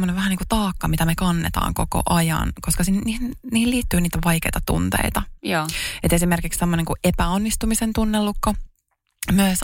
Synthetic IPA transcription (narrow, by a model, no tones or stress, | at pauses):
mːoneʋʋæhæniːkut̪ɑːkːɑmit̪æmekɑnːḛt̪ɑ̰ːŋko̰ko̰ʔɑjɑ̰nkoskɑsinniːnniːhiliːt̪ːyːniːt̪æʋɑikḛjt̪ɑt̪ṵnt̪ḛit̪ɑ | et̪esimerkikssemːoneŋkuʔepæonːist̪umisent̪unːelːukːo | myøs